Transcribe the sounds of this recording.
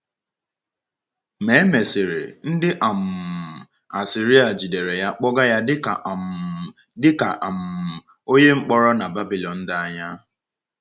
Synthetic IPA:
me˨˦me˨sɪ˨ɾɪ̰˨n̩˦dɪ˦ʔa˨m̩˨ | a˨si˨ɾi˦a˨d͡ʒi˨de˨ɾe˨ja˦k͡pɔ˦ɡa˦ja˦dɪ˦ka˨ | dɪ˦ka˨ʔa˨m̩˨ | o˦ɲe˦ŋ͡m̩˦k͡pɔ˦ɾɔ˦na˨ba˦bi˨lɔ˨n̩˦da˦a˦ɲa˦

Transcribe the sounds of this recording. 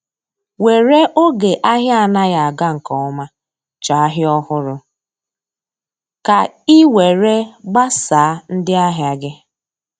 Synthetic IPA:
we˨ɾe˦ʔo˦ɡe˨ʔa˦ɦja˦˨na˦ja˨a˨ɡa˦ŋ̩˨kɔ˨ɔ˦ma˦ | t͡ʃa˨a˦ɦɪ˦ɔ˦hʊ˦ɾʊ˦ | ka˨i˦we˨ɾe˦ɡ͡ba˦saː˨˦n̩˦dɪ˦a˦ɦja˦ɡɪ˦

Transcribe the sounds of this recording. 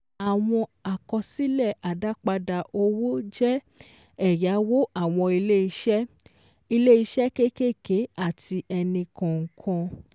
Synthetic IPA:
a˨w̃ɔ̃˧a˨kɔ˧si˦lɛ˦˨a˨da˦k͡pa˧da˧ʔo˧wo˦d͡ʒɛ˦ | ɛ˦˨ja˨˦wo˦ʔa˦˨w̃ɔ̃˧i˧le˦i˧ʃɛ˦ | i˧le˦i˧ʃɛ˦ke˦ke˦˨ke˨˦a˦˨tʰi˧ʔɛ˧nĩ˧kɔ̃˨ŋ̩˨kʰɔ̃˧

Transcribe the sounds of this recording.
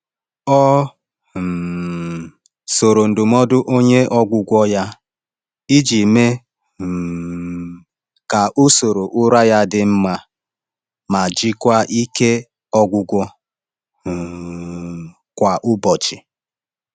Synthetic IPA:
ɔ˦˨ | so˨ɾo˨n̩˨dʊ˨mɔ˦dʊ˦ʔo˦ɲe˦ʔɔ˦ɡʷʊ˦ɡʷɔ˦ja˦ | i˦d͡ʒi˨me˦ | ka˨ʔʊ˦so˨ɾo˨ʔʊ˦ɾa˦ja˦dɪ˦m̩˦ma˦ | ma˨d͡ʒi˦kʷa˦ʔi˦ke˦ | ɔ˦ɡʷʊ˦ɡʷɔ˦ | kʷa˨ʔʊ˦bɔ˨t͡ʃɪ˨

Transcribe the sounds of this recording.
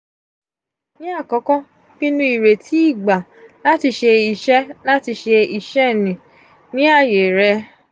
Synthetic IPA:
nĩ˦a˦˨kɔ̃˨˦kɔ̃˦ | kĩ˦nũ˦i˨ɾe˨tʰi˨˦i˦˨ɡ͡ba˨ | la˦ti˧ʃe˧i˨ʃɛ˦la˦ti˧ʃe˧i˨ʃɛ˦˨nĩ˨ | nĩ˦a˦˨je˨ɾɛ˧

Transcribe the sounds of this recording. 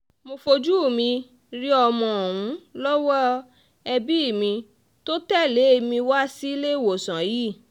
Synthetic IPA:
mo˧fo˧d͡ʒu˦˨mĩ˧ | ɾi˦ɔ˧mɔ̃˧˨ũ˨˦lɔ˦wɔ˦ | ɛ˧bi˦˨mĩ˧ | to˦tɛ˦˨le˨˦e˧mĩ˧wa˦si˦le˦˨wo˨sã˨ji˦˨

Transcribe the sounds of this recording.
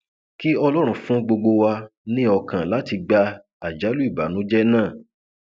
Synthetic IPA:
ki˦ɔ˧lɔ˦ɾ̃ũ˨fũ˦ɡ͡bo˧ɡ͡bo˧wa˧nĩ˦ɔ˧kã˨la˨˦ti˧ɡ͡ba˧ | a˨d͡ʒa˨˦lu˦i˦˨ba˨nũ˨˦d͡ʒɛ˦nãː˦˨

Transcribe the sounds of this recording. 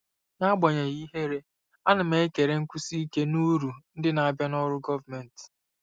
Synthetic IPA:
na˦ɡ͡bɔ˨ɲe˨ɣi˦ɦe˦ɾe˦ | a˦nʊ˨me˦ke˨ɾe˨ŋ̩˦kʷu˦si˦ke˦nu˦ɾu˨n̩˦dɪ˦na˨a˨bja˦nɔ˦ɾʊ˦ɡɔ˦va˨me˨n̩˨t

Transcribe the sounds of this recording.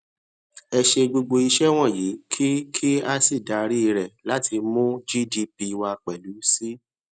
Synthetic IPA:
ɛ˧ʃe˧ɡ͡bo˧ɡ͡bo˧i˧ʃɛ˦w̃ɔ̃˦˨ji˨˦kʰi˦kʰi˦a˦si˦˨da˨˦ɾi˦˧ɾɛ˨la˨˦tʰi˧mũ˦d͡ʒi˦di˦pi˧wa˧k͡pɛ˨lu˨˦si˦

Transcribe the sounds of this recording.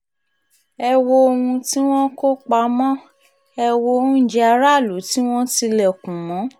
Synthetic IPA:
ɛ˧wo˧o˧hũ˧ti˦w̃ɔ̃˦ko˦k͡pa˧˦mɔ̃˦ | ɛ˧wo˧ũ˦˨d͡ʒɛ˧a˧ɾa˦˨lu˨˦ti˦w̃ɔ̃˦ti˧lɛ˨kũ˨mɔ̃˨˦

